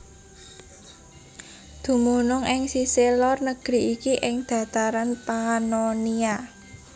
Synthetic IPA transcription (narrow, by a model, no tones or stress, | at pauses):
d̪̥ṳmunʊŋɪŋsiselɔrnəɡ̥ɾi̤ʔikiʔɪŋd̪̥ä̤t̪aɾanpanonia